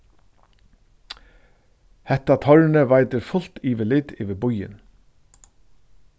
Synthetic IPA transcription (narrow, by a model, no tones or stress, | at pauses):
hɛht̪ːat̪ʰɔɾnəvajt̪ɪɾfʊl̥t̪iːʋɪlɪt̪ɪʋɪbʊjɪ̰n